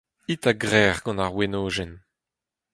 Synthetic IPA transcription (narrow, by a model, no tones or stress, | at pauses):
it̪aɡʁɛːʁɡɑ̃naʁwenoːʒɛn